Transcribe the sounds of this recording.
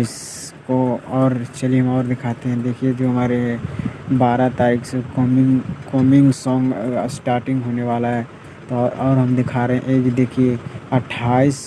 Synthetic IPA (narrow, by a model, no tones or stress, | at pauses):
ɪs | koɔːɾt͡ʃɐliɦɐ̃mɔːɾd̪ɪkʰaːt̪eɦɛ̃d̪eːkʰied͡ʒoːɦɐmaːɾe | baːɾat̪aːɾɪksekɔmɪkɔːmɪ̃ŋɡsɔ̃ːŋɡsʈaːɾʈɪ̃ŋɡɦoːneʋaːlaɦɛ | t̪oɔːɾɦɐmd̪ɪkʰaːɾeɦɛ̃ʔeːkd̪eːkʰieɐʈʰːaːis